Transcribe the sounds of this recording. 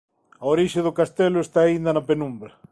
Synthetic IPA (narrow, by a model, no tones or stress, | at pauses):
ɐoɾiʃeðʊkast̪ɛlʊest̪aːind̪ɐnɐpenumbɾɐ